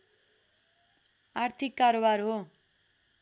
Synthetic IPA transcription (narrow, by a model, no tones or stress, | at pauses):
art̪ʰikːaɾobarɦo